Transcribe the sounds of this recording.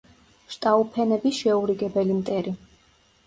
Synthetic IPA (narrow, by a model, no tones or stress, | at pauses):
ʃt̪ʼaupʰɛnɛbisʃɛuɾiɡɛbɛlimt̪ʼɛɾi